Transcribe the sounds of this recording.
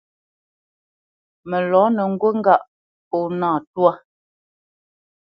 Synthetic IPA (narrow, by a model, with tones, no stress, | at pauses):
mə˨lɔ˨˦nə˨ŋ̩˦ɡwə˦ŋ̩˦ɡa˦ʔ | po˨naː˦˨twa˦˨